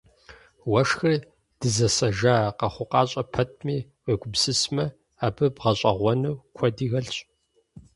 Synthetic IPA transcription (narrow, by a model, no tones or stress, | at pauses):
wɐʂxɨr | d̥ɨzɐsɐʒaːqɐχʷʊqɑːɕʼɐpʰɐt̚ʰmiːweːɡʷʊbsɨsmɐ | aːbɨbʁɐɕʼɐʁʷɔnɨwkʷʰɔdiːɣɐɮɕʼ